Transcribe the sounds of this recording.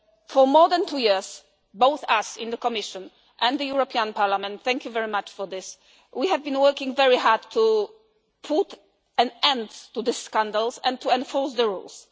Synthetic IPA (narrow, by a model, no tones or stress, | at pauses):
fɔmɔd̪ɛ̃ntʰujiɹs | boʊθasɪ̃nd̪əkɔmɪʃɔ̃n | ʔɛ̃nðəjuɹɔpʰiãnpʰaɹlamɛ̃nt̪θɛ̃ŋkjuvɛɹimat͡ʃfɔðɪs | wihɛvbĩnwɜkĩŋvɛɹiɦadtʰu | pʰut | ɛ̃nɛ̃ndtuðɨskãndəlsɛ̰̃ntʰuɛ̃nfɔɹsðəɹṵls